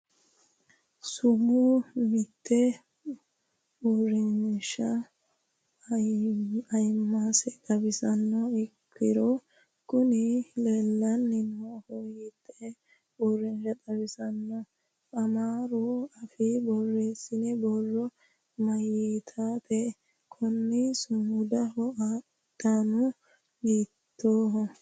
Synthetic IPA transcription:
sʊmʊmɪt̪ʰːɛ | ɔrɛnʃɐ | ɐjmːasɛt̪ʼɐbɪsɐnːɔɪkʰːɪɾɔ | kʊnɪlɛlːɐnːɪnɔhɔjɪt̪ʰːɛ | bɔrɛnd͡ʒɐt̪ʼɐbɪsɐnːɔ | ʔɐmaːɾoɐfɪbɔrːeːsɪnɛbɔrːɔ | mɐjiːt̪ʰaːpʰɛ | kʰɔnːɪsʊmʊd̪ɐhɔa | d̪̥anʊ | ɡiː | t̪ʰːoː

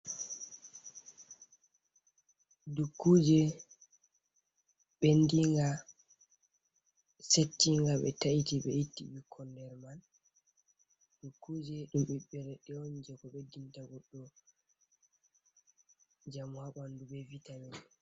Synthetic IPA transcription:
dukːud͡ʒɛ | ɓɛndiŋɡa | setːiŋɡaɓɛ̰taʔitiɓɛitːḭɓikʰːɔndɛɾman | dukːud͡ʒɛɗumɓiɓɛɾɛɗɛond͡ʒɛkɔɓɛdintaɡɔɗːɔ | d͡ʒamuhaɓanduɓɛvitamɛɛ

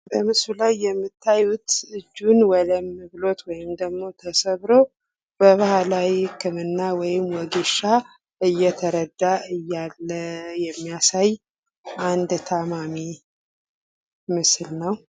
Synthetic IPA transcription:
bəmɨsulajːɛmːɨt̪ʰːajut̪ɨd͡ʒːunwɔləmːɨβlo̞t̪wɔjɪmd̪əɡmo̞t̪ʰəsəβɾo̞ | b̥əβahalawikʰɨmɨnːawɔjɪmːwɔɡeʃa | ɨjːɛt̪ʰəɾəd̪ːaɨjːalːəjɛmːijasaj | ʔand̪t̪ʰamami | mɨslnəw

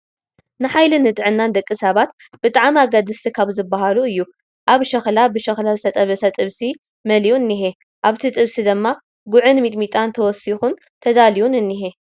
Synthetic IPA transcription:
nɨħajlɨnɨt̪ʼɨʕɨnːand̪ɐkʼːisɐβat̪ | b̥ɨt̪ʼaʕmaɡad̪ɨst̪ʰikʰaβzɨbaɦaluɨjːu | ʔaβʃɐxlabɨʃɐxlazɨt̪ʰɐt̪ʼɐβɐsɐt̪ʼɨβsi | mɐliunːiɦe | ʔaβt̪ʰit̪ʼɨβsid̪ɨmːa | ɡʊʕɨnmit̪ʼmit̪ʼant̪ʰɐwɔsixun | t̪ʰɐd̪aliwunɨnːiɦe

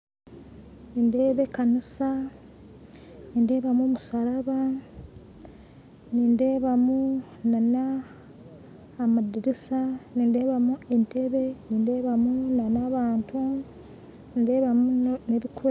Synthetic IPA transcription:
niːndeːβe̞kanisa | niːnde̞ːβamuːmusaɾaβa | niːnde̞ːβamu | nana | madiɾisaniːnde̞ːβamue̞nte̞βe̞niːnde̞ːβamunanaβaːntʰu | ninde̞βamuneβikue

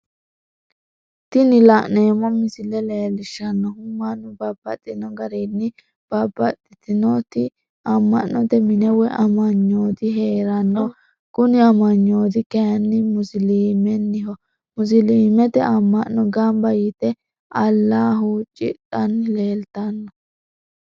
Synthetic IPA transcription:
t̪ɪnɪlɐʔneːmɔmɪsɪlɛleːlɪʃːɐnːɔhʊmːanːʊbɐbɐt̪ʼːɪnɔɡɐɾenːɪ | b̥ɐbɐt̪ʼːɪt̪ɪnɔt̪ɪ | ɐmːɐ̰ʔnɔt̪ɛmɪnɛwɛʔɐmɐɲːoːd̪ɪɦeːɾɐnːɔ | kʊnɪɐmɐɲːoːd̪ɪkɛjɐnːɪmʊsɪliːmɛnːɪɦɔ | mʊs̬ɪliːmɛt̪ɛʔɐmːɐʔːɔɡɐmbɐjit̪ɛ | ɐlːaːɦut͡ʃʼɪ̰t̪ʼːɐnle̞ːlt̪ɐnːɔ

